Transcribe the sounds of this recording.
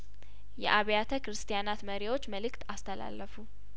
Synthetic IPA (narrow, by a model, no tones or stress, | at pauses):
jɛ̰ʔaβjat̪ʰəkɨɾɨst̪ʰijanat̪məɾiwo̞t͡ʃːməlɨkt̪ʰast̪ʰəla̰lːəfu